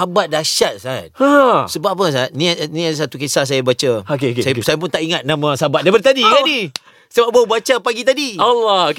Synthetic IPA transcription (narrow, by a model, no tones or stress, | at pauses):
habat̪̚daʃat̪̚sat̪̚asəbapəs̬at̪̚nĩanĩads̬at̪ukesas̬ajabat͡ʃaokeokesajasajapʊnt̪aʔiŋat̪̚nãmãsabat̪̚dabərt̪adikanĩ | səbap̚baubat͡ʃapaɡit̪adialɔok